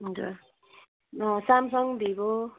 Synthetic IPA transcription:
ɦʌd͡zṵɾ | samsʌŋd̪ʱiko

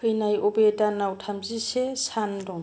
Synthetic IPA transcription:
kʰɯjnajɔbetanawtʰamzisesandɔŋ

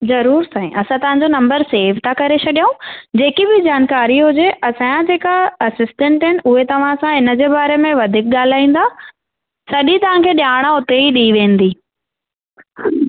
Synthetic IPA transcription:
zɐɾuːɾsãːĩʔɐsãt̪ɐʋ̤ãɲd͡ʑonɐ̃mbəɾseːʋt̪ʰakɐɾet͡ɕʰɐɗijũd͡ʑeːkibɪd͡ʑaːnkaːɾiɦʊd͡ʑeʔɐsãd͡ʑeːkaɐsɪsʈɛ̃ɳʈɦɪnɪ̆ʊɦet̪ɐʋ̤ãsãɦɪnəd͡ʑeːbaːɾemẽʋɐd̪ʱɪk̚ɠaːl̤aːĩːn̆d̪aː | sɐɗĩt̪ɐʋ̤ãkʰeːɗjaːɽ̃aʊt̪eiɗiːʋẽːn̆d̪iː

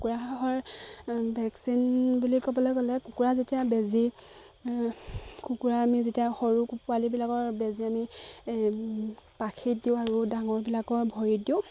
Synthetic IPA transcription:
ukuɹaɦaɦɔɹ | bʱɛksinbulikɔbɔlɔjɡɔlɛkukuɹazetijabezi | kukuɹaːmizetijaxɔɹukupualibilakɔɹbeziami | pakʰit̚diʊ̃aɹudaŋɔɹbilakɔɹbʱɔɹidiʊ̃

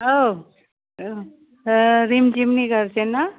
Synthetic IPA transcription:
o | ɾimd͡ʒimnikəɾsena

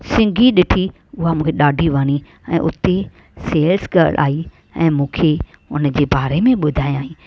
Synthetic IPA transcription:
sɪ̃ŋɡʱiɗɪʈʰi | ʊɦamũːkʰeɗaːɖʱiʋaːñi | ɛ̃ːʔʊ̰t̪e | seːlsɡɐɾlʔa̰ːi | ɛ̃ːmũːkʰe | ʊ̰nə̆d͡ʑeːbaːɾemẽɓʊd̪ʱaːĩaːɦĩː

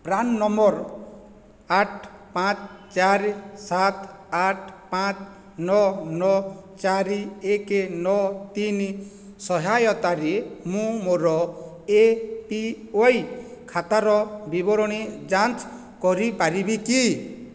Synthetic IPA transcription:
pɾanːɔmbɔɾ | aʈʰpãt͡ʃt͡ʃaɾisat̪aʈʰpãt͡ʃ | nɔnɔt͡ʃaɾiekenɔt̪ini | sɔɦajɔt̪aɾemũmoɾɔ | epi | ojkʰat̪aɾɔbibɔɾɔɽ̃id͡ʒant͡ʃ | kɔɾipaɾibiki

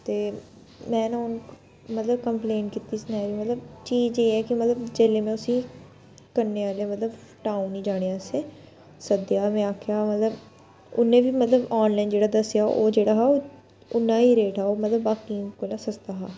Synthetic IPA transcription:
t̪eː | mɛ̃ːnãːʊn | mət̪ləb̚kəmpleːɳʈkit̪iːsnaːjʋiːmət̪ləbt͡ʃiːd͡ʒeːɛːkɪmət̪ləbd͡ʒeːleːmɛ̃ːʊsĩː | kəɾneːʋaːlaːmət̪ləb | ʈaːũnĩːd͡ʒaːɽ̃eːaːseː | səd̪jaːmɛ̃ːaːkʰejaːmət̪ləb | ʊ̰nẽːbiːmət̪ləbaːnlaːind͡ʒeːɽaːd̪əsjaːʔoːd͡ʒeːɽaːɦaːoː | ʊnːãːɦiːɾeːʈɛːoːmət̪ləbːaːkiːkolãːsəst̪aɦaː

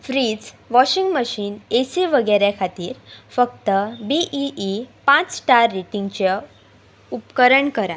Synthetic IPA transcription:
fɾiːd͡zʋɔɕiŋɡməɕiːnesiʋəɡəɾjakʰat̪iːɾfəkt̪əbiʔiʔipãt͡sʈaɾːeʈĩŋɡt͡ɕe | upkəɾəɳkəɾa

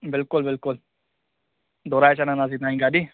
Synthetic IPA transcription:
bɪlkʊlbɪlkʊl | d̪oːɾaːet͡ʃanãnaːziːt̪aːĩŋɡaːdiː

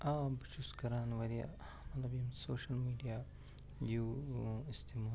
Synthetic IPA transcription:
ʔaːbʃuskɐɾaːnʋɐɾija̰ | mɐt̪lɐbjɐmsoːʃɐlmiːɖijaː | juɪst̪imaː

